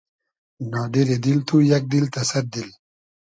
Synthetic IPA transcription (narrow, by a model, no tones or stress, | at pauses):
nɑːɖeɾed̪ilt̪ʰujɐk̚d̪ilt̪ɐsɐɾ̚d̪il